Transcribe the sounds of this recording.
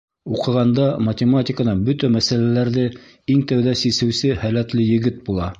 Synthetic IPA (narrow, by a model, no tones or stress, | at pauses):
uqɤ̆ʁɑnd̪ɑmɐtʲɪmatʲɪkənɑnbɵt̪æmæsælælæɾðɘ | iŋt̪æwðæsisɘ̆wsɘhælæt̪lɘjɘ̆ɡɘt̪̚bulˠɑ